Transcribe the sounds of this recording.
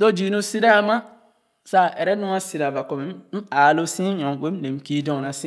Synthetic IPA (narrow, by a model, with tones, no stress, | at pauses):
do˦d͡ʒi˨˦nũ˦si˦ɾa˦˨mã˦ | sa˦˨ɛ˨ɾɛ˦nũ˦a˦si˨ɾa˨va˨kɔ˨me˨˦m̩˦aː˨lo˦sĩ˦ɲɔ̃˨we˦ne˨m˦kiː˦dɔ̃˨nã˨sĩ˦